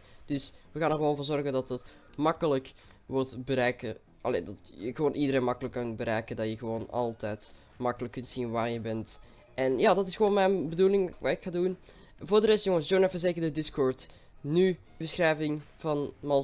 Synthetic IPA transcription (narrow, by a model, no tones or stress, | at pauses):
d̥ɵsʋəɣaːnərʋonvʊːrzɔrɣəndɑtət | mɑkələk | ʋɔlˠtbəɾɛjkə̰ | ʔɑ̰lḛːdɑtjəɣəʋoːnʔidəɾeːnmɑkələkːɑnbəɾɛjkəndɑjəɣəʋoːnɑ̰lˠtɛjt | mɑkələkːɵntsinʋaːrjəbɛnt | ʔɛnjaːdɑtɪsxəʋoːnmɛjnbəduːlɪŋʋa̰ːɪkxaːdun | vʊːrdəɾɛstjoŋənsjoːnɛfərzeːkərdədɪskɔːɹt | ny | bəsxrɛjvɪŋvɑnmɑ